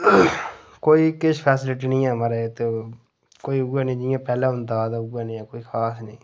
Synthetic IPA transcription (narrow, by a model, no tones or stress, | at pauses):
koːiːkɪʃpʰɛːsɪlɪʈiːnĩːɛːmãːɾeet̪eː | koːiːʊɡɛːnĩːd͡ʒɪjãːpɛːlẽɦʊnd̪ad̪aʊɡaːnĩːɛːkoːiːkʰaːsnĩː